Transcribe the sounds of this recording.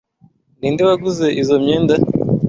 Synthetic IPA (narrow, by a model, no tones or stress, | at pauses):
niːndiβaɡuze̞ʔizomɲeːnda